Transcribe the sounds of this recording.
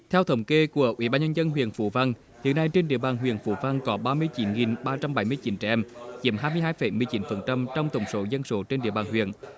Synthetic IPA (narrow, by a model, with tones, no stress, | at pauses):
t̪ʰɛ˧wt̪ʰə˨˩wŋ͡mke˧ku˧˩əʔwḭ˧˦ɓaː˧nɲə˧nzə˧nɦwḭ˧˨ənfṵ˧˩˦va˧n | hḭ˧˨ənːa˧jt͡ɕe˧nɗḭ˧˨əɓaː˨˩nɦwḭ˧˨ənfṵ˧˩va˧ŋkɔ˨˦ɓaː˧mɨ˧əjt͡ɕi˨˦nŋi˨˩nɓaː˧t͡ɕa˧mɓa˨˩˦jmɨ˧jt͡ɕi˨˦nt͡ɕɛ̰˧ʔɛ˧mzḭ˧˩˥əmɦaː˧jmɨ˧əjɦaː˧jfə˨˧˩jmɨ˧əjt͡ɕi˨˦nfə˨˩nt͡ɕa˧mt͡ɕɔ˧wŋ͡mt̪ə˨˧˩wŋ͡mso˨˦zə˧nso˨˦t͡ɕe˧nɗḭ˧˨əɓaː˨˩nɦwḭ˧˨ən